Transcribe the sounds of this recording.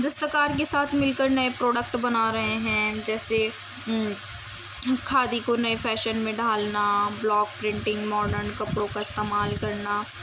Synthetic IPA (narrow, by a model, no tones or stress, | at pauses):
d̪ɐst̪əkaːɾkesaːt̪ʰmɪlkəɾnɐepɾɔːɖək̚ʈbɐnaːɾɐɦeɦɛ̃d͡ʒɛːse | kʰaːd̪ikonɐefʰɛːʃənmẽɖʱaːlnablɔːk̚pɾɪ̃ɳʈɪ̃ŋɡmɔːɖəɾnkɐpɾõkaɪst̪eːmaːlkɐɾna